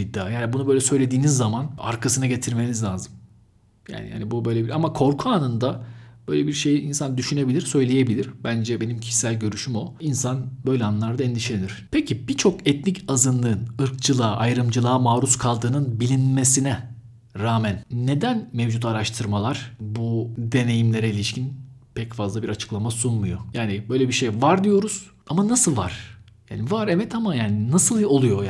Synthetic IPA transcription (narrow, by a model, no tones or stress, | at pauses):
id̪ːa̰ːjaːnibunubø̞jlʲɛsø̞jlʲe̞d̪iːnizːamana̰ɾkʰasɯnaɟe̞t̪ʰiɾme̞nizlʲaːzɯm | ja̰ːniha̰nibubø̞jlʲebiɾamakʰo̞ɾkʰuaːnɯnd̪ab̥ø̞jlʲebiɾʃe̞jiinsand̪yʃyne̞bilʲiɾsø̞jlʲeje̞bilʲiɾ̥bænd͡ʒɛbe̞nimcʰi̥ʃi̥sælʲɟø̞ɾyʃymo̞insanbø̞jlʲɛanlˠaɾd̪aɛnd̪iʃlʲeniɾ̥pʰecʰibit͡ʃʰo̞kɛt̪nicazɯnlˠɯːnɯɾk̚t͡ʃʰɯlˠaːʔajɾɯmd͡ʒɯlˠaːmaːɾuskʰalˠd̪ɯːnɯnbilʲinme̞sinɛ | ɾaːmænːe̞d̪ænmevd͡ʒut̪aɾaʃt̪ʰɯɾmalˠaɾ̥bud̪e̞ne̞jimlʲe̞ɾɛilʲiʃcʰinpʰɛcfazlˠabiɾat͡ʃʰɯ̥klˠamasunmujo̞jaːnibø̞jlʲɛbiʃe̞jvaɾd̪ijo̞ɾuz̥amanasɯlˠva̰ɾ̥ | ja̰ːnivaɾɛmɛt̪ʰamajaːninasɯlˠo̞lˠujo̞j